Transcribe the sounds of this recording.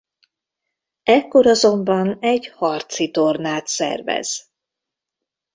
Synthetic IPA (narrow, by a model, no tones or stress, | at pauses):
ɛkːo̞ɾɒzo̞mbɒnɛɟhɒrt̪sit̪o̞rnaːt̪sɛ̰rvɛ̰z̥